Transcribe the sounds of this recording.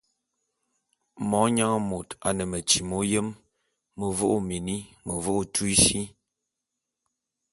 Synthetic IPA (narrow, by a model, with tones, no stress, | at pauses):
mɔ˨˦ɲa˦ŋ˦mo˨ta˨nə˨mə˨t͡ʃi˨mo˨˦jə˦mː | ə˨vo˦ʔo˦me˨ni˦mə˨vo˦ʔo˦tʰu˦i˦ʃi˦